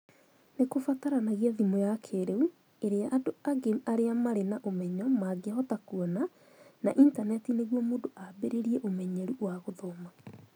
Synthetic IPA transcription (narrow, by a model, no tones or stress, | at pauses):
nekofataɾanaɣiaðimojakʰeɾeu | eɾeaʔadoaɡeaɾeamaɾenaʔomɛɲɔmaɡehɔtakuɔna | na̰ʔintanɛtineɣwɔmoːdoʔabeɾeɾiɛʔomɛɲɛɾuwaɣoðɔma